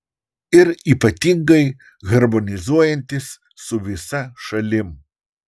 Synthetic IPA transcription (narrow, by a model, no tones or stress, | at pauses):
ɪɾiːpɐt̪ʲiŋɡɐɪ | ɣɐɾmonʲɪzuɔjɛnʲt̪ʲɪs | sʊʋʲɪsɐʃɐlʲɪm